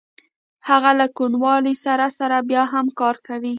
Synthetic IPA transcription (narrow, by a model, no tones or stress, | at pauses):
haɣalakuɳwɑlisaɾasaɾabjɑɦamkɑɾkawi